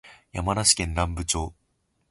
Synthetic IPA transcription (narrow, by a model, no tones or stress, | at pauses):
jamanaɕi̥kẽ̞nːãmbɯ̟t͡ɕo̞ː